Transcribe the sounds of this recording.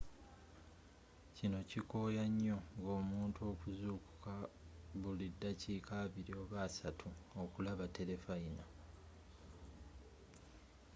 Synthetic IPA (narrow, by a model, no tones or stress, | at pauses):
cino̞ciko̞ːjaɲːo̞ŋɡo̞ːmuːntuo̞ːkuzuku̥kaβulidːaciːkʰaβiɾio̞βasatʰuokulaβate̞le̞faina